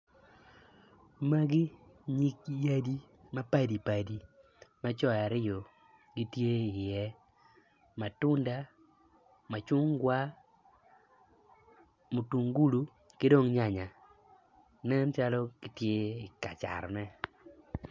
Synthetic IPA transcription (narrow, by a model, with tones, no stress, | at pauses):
ma˦ɡɪ˦ | ɲi˦kja˦di˦ | ma˦pa˦di˨pa˨di˨ | ma˦t͡ʃɔ˦ja˨ɾɪ˦jo˨ | ɡɪ˦tje˦ɪ˨jɛ˦ | ma˨tʊ˦nda˦ | ma˨t͡ʃʊ˦ŋɡwa˦ | mu˨tu˨ŋɡu˦lu˨ | kɪ˦do˦ŋɲa˨ɲa˨ | nɛ˦mt͡ʃa˦lɔ˦ɡ̥ɪ˦tje˦ɪ˨ka˨t͡ʃa̰˨rnɛ˦